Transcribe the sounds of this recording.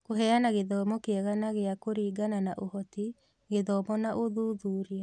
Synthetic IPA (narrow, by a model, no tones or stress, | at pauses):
koɦɛanaɣeðɔmɔkeɛɣanaɣeakoɾiːɡananaʔohɔti | ɣeðɔmɔnaʔoðuːðuːɾia